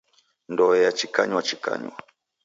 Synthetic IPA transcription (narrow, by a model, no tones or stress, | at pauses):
ndɔɛjat͡ʃika̰ɲwat͡ʃika̰ɲwa̰